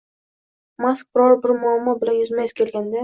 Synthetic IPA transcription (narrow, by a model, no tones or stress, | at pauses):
mask̚b̥ɪɾɒɾbɪɾmʊamːɒbɪlanjʊzmajskʲʰe̞lɡʲand̪a